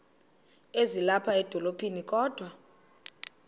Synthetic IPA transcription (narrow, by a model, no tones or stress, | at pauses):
ezilapʰaɛd̥ʱɔlopʰʼinikʼɔːd̥ʱwa